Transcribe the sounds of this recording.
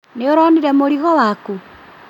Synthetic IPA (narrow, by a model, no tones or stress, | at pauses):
neoɾɔniɾɛmoɾiɣɔwaku